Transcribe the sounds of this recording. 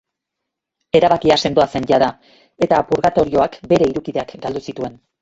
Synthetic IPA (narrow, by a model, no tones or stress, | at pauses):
e̞ɾaβakiase̞nd̪o̞ase̞nɟaða | e̞t̪apuɾɣat̪o̞ɾio̞akbe̞ɾe̞iɾukiðe̞akɡald̪usit̪ue̞n